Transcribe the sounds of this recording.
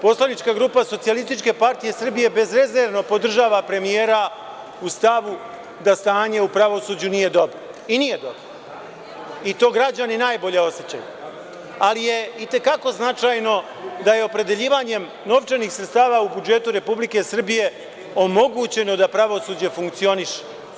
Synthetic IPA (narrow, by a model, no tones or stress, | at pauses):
po̞slanit͡ʃkaɡɾuːpaso̞t̪sialist̪it͡ʃke̞paɾt̪ije̞sr̩bije̞be̞zɾe̞zeɾʋno̞po̞d̪r̩ʒaːʋapɾe̞mijeːɾa | ust̪aʋu | d̪ast̪aːɲe̞upɾaʋo̞suːd͡ʑunije̞d̪o̞bɾo | inije̞d̪o̞bɾo | it̪o̞ːɡɾad͡ʑaninaːjbo̞ʎe̞o̞set͡ɕa̰ju | alije̞it̪e̞kako̞znat͡ʃaːjno̞ | d̪aje̞o̞pɾe̞d̪e̞ʎiːʋaɲe̞m | no̞ʋt͡ʃeniːxsɾe̞t̪st̪aːʋaubud͡ʒe̞t̪uɾe̞publike̞sr̩bije̞ | o̞mo̞ɡuːt͡ɕe̞no̞d̪apɾaʋo̞suːd͡ʑe̞fuŋkt̪sio̞niʃe̥